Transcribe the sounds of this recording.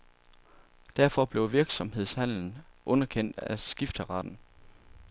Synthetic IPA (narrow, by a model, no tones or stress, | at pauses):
d̥æɐ̰fɒb̥le̝ʊʋiɐɡ̥sɒ̽mɦe̝ð̞̰ˠshæn̰ln̩ʔɔ̽nɐkʰen̰d̥æsɡ̥ifd̥əʁɑ̈d̥n̩